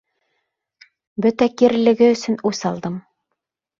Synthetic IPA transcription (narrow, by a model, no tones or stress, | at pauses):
bɵt̪ækiɾlɘ̆ɡɘɵ̆sɵ̆nʉsɑlˠd̪ɤm